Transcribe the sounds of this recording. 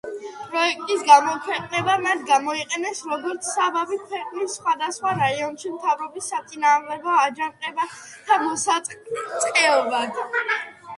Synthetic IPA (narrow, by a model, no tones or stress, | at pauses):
pʼɾɔɛk̚ʰt̪ʼisɡamɔkʰwɛqʼnɛbamat̪ʰɡamɔiqʼɛnɛsɾɔɡɔɾt̪sʰsːabavikʰwɛqʼnisːχwad̪asχwaɾaiɔnʃimt̪ʰavɾɔbisːat̪sʼinaːmd̪ɛɡɔad͡ʒanqʼɛbad̪̥amɔsat̪sʼqʼɛɔbad̪